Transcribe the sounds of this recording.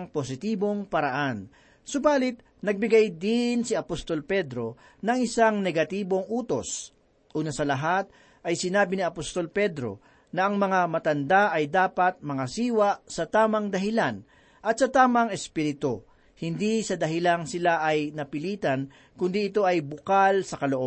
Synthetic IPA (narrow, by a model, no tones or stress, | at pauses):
ŋpos̬ɪt̪iːbo̞ŋpɐɾɐʔan | sʊbaːlɪt̪̚ | nɐɡ̚bɪɡajd̪ɪnsɪɐpost̪o̞lpɛd̪ɾo̞ | nɐŋʔɪsaŋnɛɡɐt̪iːbo̞ŋʔuːt̪o̞s | ʔuːnɐsɐlɐɦat̪̚ | ʔɐjsɪnaːbɪniɐpost̪o̞lpɛd̪ɾo̞̰ | nɐʔɐŋmɐŋamɐt̪ɐnd̪aʔɐjd̪aːpɐt̪̚mɐŋɐsiːwasɐt̪aːmɐŋd̪ɐɦɪlan | ʔɐt̪̚sɐt̪aːmɐŋɛspiɾɪt̪o | hɪnd̪isɐd̪ɐɦɪlaŋsɪlaʔɐjnɐpɪliːt̪ɐn | kʊnd̪iɪt̪o̞ʔɐjbʊkalsɐkɐloʔob